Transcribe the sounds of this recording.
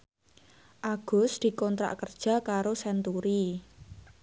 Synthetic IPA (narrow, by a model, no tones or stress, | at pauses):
ʔaɡ̥ʊ̤sd̪̥i̤kɔnt̪ɾa̰ʔkərd̥ʒ̥ä̤kaɾosɛnt̪uɾi